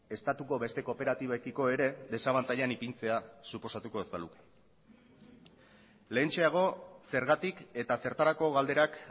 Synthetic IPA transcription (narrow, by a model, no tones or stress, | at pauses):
e̞st̪at̪uko̞βe̞st̪e̞ko̞pe̞ɾat̪iβaekiko̞e̞ɾe̞ðe̞saβant̪aʎanipint͡se̞asupo̞sat̪uko̞ezbaluke̥ | le̞ːnt͡ʃe̞aɣ̞o̞se̞ɾɣat̪ike̞t̪ase̞ɾt̪aɾako̞ɣald̪e̞ɾak